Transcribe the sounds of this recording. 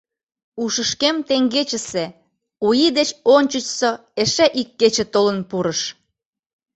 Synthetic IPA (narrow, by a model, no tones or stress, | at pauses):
uʃəʃkemt̪eŋɡet͡ɕə̆se | ujid̪et͡ɕonʲt͡ɕət͡ɕso | eʃæʔikːet͡ɕĕt̪olənpuɾəʃ